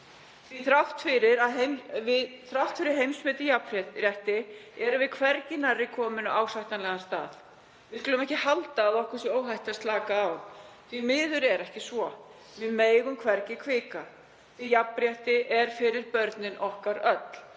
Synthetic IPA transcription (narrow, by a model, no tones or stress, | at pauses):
θviθɾaft̪fɪɾɪɾaðɦemvɪðθɾaft̪fɪɾɪɾ̥ɦejmsmɪːt̪ɪjapɾɾjajht̪ɪɛɾʏvɪkʰvɛɾcɪnarːɪkʰɔːmʏnʏʔaːwsajht̪anlɛɣanst̪a̰ːθ | vɪðskʏːlʏmɛhcɪhalt̪aːðɔhkʏ̥sɛoːwɦajht̪ast̪laːkaːwθvimɪːðʏɾɛɾɛhcɪsvɔ | vɪmeːjɣʏmkʰvɛɾcɪkʰvɪːka | ɪjapɾjaht̪ɪʔɛɾ̥fɪɾɪɾpœɾt̪nɪnʔɔhkaɾœt̪l̥